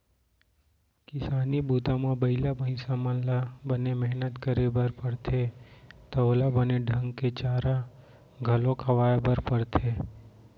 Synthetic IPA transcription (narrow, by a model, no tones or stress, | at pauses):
kɪsaːnibuːt̪ãmãbəɪlabəɪ̃samə̃labənemɛɦnət̪kəɾebəɾpəɽt̪ʰet̪əlabəneɖʱə̃ŋɡket͡ʃaːɾa | ɡʱɐlõkʰəʋaːbəɾpəɽt̪ʰe